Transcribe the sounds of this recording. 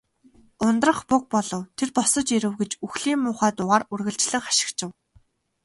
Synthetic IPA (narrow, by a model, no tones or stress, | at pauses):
ʊnt̪rə̆χpʊk̚pɔɮɞ̆wt̪ʰerpɔsɞ̆t͡ɕiɾɘ̆wɡet͡ɕuxɮiːmːʊːχæːt̪ʊʁaːrurɣɘ̆ɮt͡ɕɮɘ̆ŋχḁʃɪ̆kt͡ɕɪ̆w